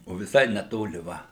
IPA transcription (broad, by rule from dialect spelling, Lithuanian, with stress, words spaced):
oː ʋʲɪˈsɐɪ nʲɛˈtoːlʲɪ ˈʋɐ